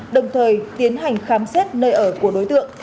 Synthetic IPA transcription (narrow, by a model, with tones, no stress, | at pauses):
ɗə˨˩wŋ͡mt̪ʰəː˨˩jt̪i˨˦ənɦa˨˩jŋ̟xaː˨˦msɛ˦˥t̚nəː˧jʔəː˧˩ku˧˩əɗo˨˦jt̪ɨ̰˧˨əŋ